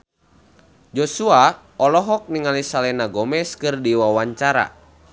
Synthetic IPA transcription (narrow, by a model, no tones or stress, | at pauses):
d͡ʒɔsua | ɔlɔɦɔk̚niŋalisalɛnaɡɔmɛskɨrdiwawaɲt͡ʃaɾa̰